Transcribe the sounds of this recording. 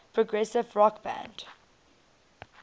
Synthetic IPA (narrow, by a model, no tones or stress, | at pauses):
pʰɹ̥ɔɡɹɛsɪvɹɔkbæ̰̃nd̥